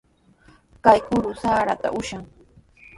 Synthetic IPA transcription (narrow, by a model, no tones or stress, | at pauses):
kajkʊɾʊsaːɾat̪a̰ʔʊʃaŋ